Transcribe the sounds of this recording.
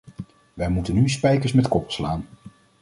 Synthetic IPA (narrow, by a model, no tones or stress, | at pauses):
ʋɛjmutənyspɛjkəɹsmɛtkɔplˠslaːn